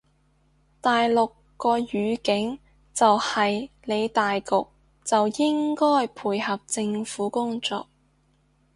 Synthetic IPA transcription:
t̪aː˨jlʊ˨kːɔː˧jyː˨˧kɪ˨˥ŋ | t͡sɐ˨whɐ˨jle˨˧jt̪aː˨jkʊ˨k̚ | t͡sɐ˨wjɪ˥ŋkɔː˥jpʰuː˨˩jhɐ˨p̚t͡sɪ˧ŋfuː˨˥kʊ˥ŋt͡sɔ̰ː˧˨k̚

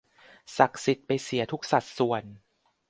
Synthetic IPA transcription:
sa˨˩k̚si˨˩t̪̚pa˧jsi˨˩˦t̪ʰu˦˥k̚sa˨˩t̪̚su˨˩ən

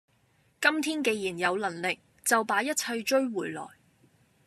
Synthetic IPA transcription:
kɐ˥mt̪ʰiː˥nke˧jjiː˨˩njɐ˨˧wlɐ˨˩nlɪ˨k̚ | t͡sɐ˨wpaː˨˥jɐ˥t̚t͡sʰɐ˧jt͡ʃɵ˥ɥwuː˨˩jlɔ̰ː˨˩j

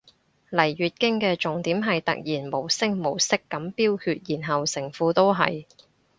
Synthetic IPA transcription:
lɐ˨˩jɥyː˨t̚kɪ˥ŋkɛː˧t͡ʃʊ˨˩ŋt̪iː˨˥mɦɐ˨jt̪ɐ̰˨k̚jiː˨˩nmo˨˩wsɪ˥ŋmo˨˩wsɪ˥kːɐ˨˥mpiː˥wkʰyː˧t̚jiː˨˩nɦɐ˨wsɪ˨˩ŋfuː˨˥t̪o˥wɦɐ̰˨j

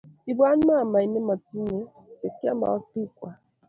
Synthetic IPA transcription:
i˨ba˦n˦ma˦˨ma˨i˨ne˦ma˨ti˦ɲe˦ | te˨kja˦ma̰˨ɔ˦k͡pi˦kʷa˨

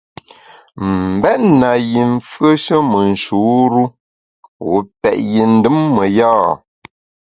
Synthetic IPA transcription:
m̩˨bɛ˦ʔna˨ji˨ɱ̩˦fɰə˦ʃə˦mə˨n̩˨ʃu˨˦ɾu˦ | wo˨˦pɛ̰˨ʔji˨n̩˦dɨ˦mːə˨jaː˦˨

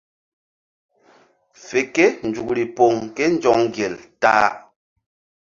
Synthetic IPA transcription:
fe˨ke˦n̩˨d͡ʒu˨kli˨po˨ŋkɛ˦n̩˦d͡ʒɔ˨ŋ˦ɡjɛ˨ltaː˦

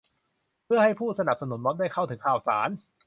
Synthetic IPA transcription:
pʰɯ˥˩ɐha˥˩jpʰuː˥˩sa˧na˨˩p̚sa˧nu˨˩˦nmɔː˦˥ndaː˥˩jkʰa˥˩wt̪ʰɯ˩˦ŋkʰaː˨˩wsa̰ː˩˦n

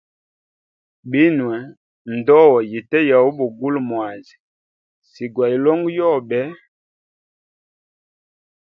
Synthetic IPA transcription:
bi˦nwɛ˨ | n̩˨dɔ˦wɔ˨ji˨tɛ˦ja˨wu˦bu˨ɡu˦lmwa˨zi˨ | si˨ɡwa˨i˨lɔ˦ŋɡjɔ˦˨bɛ˨˦

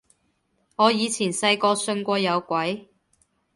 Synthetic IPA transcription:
ŋɔː˨˧jiː˨˧t͡sʰiː˨˩nsɐ˧jkɔː˧sɵ˧nkʷɔː˧jɐ˨˧wkʷɐ˨˥j

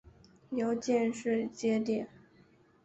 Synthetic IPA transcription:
jo˧˥ʊt͡ɕjɛ˥˧nʂɻ̩˥˩t͡ɕjɛ˥t̪̬jɛ˥˩n

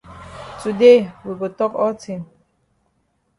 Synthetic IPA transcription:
tu˨de˦wi˨wɪtɔ˦kɔtĩ˨n

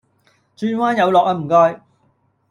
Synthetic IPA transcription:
t͡ʃyː˧nwaː˥njɐ˨˧wlɔː˨kaː˧m̩˨˩kɔː˧j

